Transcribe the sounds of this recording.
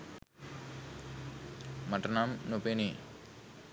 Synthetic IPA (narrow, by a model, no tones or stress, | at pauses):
mɐʈɐnamnupeni